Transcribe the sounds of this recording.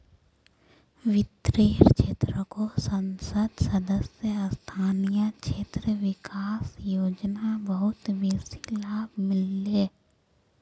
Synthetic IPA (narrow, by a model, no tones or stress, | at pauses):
wɪt̪ɾeːɾt͡ʃʰeːt̪ɾəkosə̃nsəd̪səd̪əsjəst̪ʰaːnijat͡ʃʰeːt̪ɾəʋɪkaːsjoːd͡ʒnabəɦʊt̪ʋeːsi̥laːbmɪlːeː